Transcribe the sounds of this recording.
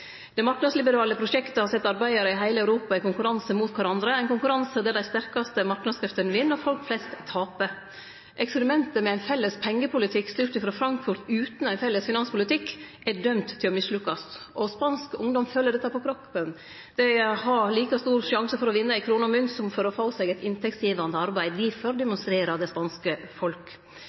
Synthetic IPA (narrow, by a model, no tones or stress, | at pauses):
ɛɪmɑknɑd̪slɪbəɾɑːləpʰɾʊʂɛkt̪əhɑɾsɛt̪ːɑɾbæɪəɾəɪɦæɪləæʉɾuːpɑɪkʊŋkʉɾɑnsəmuːt̪kʰɑɾɑnd̪ɾəæɪnkʊŋkʉɾɑnsəd̪ɛd̪æɪst̪æɾkɑst̪əmɑɾknɑd̪skʰɾɪft̪ənʋɪnːɔfɔlkflɛst̪ʰːɑːpə | ʔɛkspəɾɪmɛnt̪əmɛæɪnfɛlːəspʰɛŋːəpʰʊlɪt̪ʰɪkst̪ʏɾt̪əfɾɑfɾɑŋkfʊɾt̪ʉːt̪n̩æɪnfɛlːəsfɪnɑnspʰʊlɪt̪ʰɪkːʔæɖœmt̪ʰːɪlɔmɪslʉkːɑsʔɔspɑnskʊŋd̪ɔmføːləɖɛt̪ːɑpɔkʰɾɔpːən | d̪̥ɛhɑɾliːkɑst̪uːɾʂɑŋsəfɔɾɔʋɪnːəæɪkʰɾuːnəɔmʉnsɔmfɔɾɔfɑːsɛɡɛɪt̪ɪnt̪ʰɛksjiːʋɑnd̪əɑɾbæɪd̪ʋɪfɔɾd̪ɛmʊnst̪ɾeːɾɑd̪ɛɪspɑnskəfɔlk